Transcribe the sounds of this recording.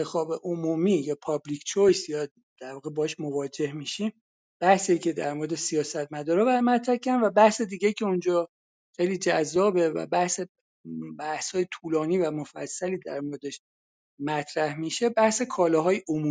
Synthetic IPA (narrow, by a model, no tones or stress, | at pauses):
exɒːbe̞ʔomuːmiːjɒːpʰɒblicʰt͡ʃʰojsjɒ | d̪̥æɾvɒːɣebɒːhɛʃmo̞vɒːd͡ʒe̞hmiːʃiːm | b̥æhsicʰe̞d̪æ̰ɾmo̞ɾed̪esijɒːsæt̪mæd̪ɒːɾɒːbæɾmæt̪ʰɾæhcʰæænvæbæhse̞d̪iːɟejicʰe̞und͡ʒɒ | xejliːd͡ʒæzːɒːbevæ̰bæhse | bæhshɒːje̞t̪ʰuːlɒːniːvæmo̞fæ̰sːæliːd̪æ̰ɾmo̞ɾe̞d̪eʃ | mæt̪ʰɾæhmiʃe̞bæhsekʰɒːlɒːɦɒːjeʔomuː